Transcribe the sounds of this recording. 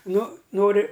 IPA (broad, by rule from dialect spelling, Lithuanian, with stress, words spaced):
ˈnʊ ˈnoːrʲɪ